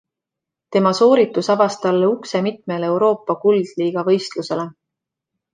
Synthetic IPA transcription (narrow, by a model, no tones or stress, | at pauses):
t̪e̞mɑso̞ːɾit̪ːˑusɑvɑst̪ɑlːeukse̞mit̪̚me̞le̞wɾo̞ːpːˑɑkuld̪̥liːɡ̥ɑvɤ̞jst̪luse̞le̞